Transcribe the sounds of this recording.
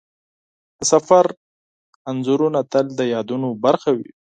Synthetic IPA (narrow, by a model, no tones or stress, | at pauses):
d̪̥əsafaɾ | anzuɾunat̪əld̪əjɑd̪unobaɾxawḭ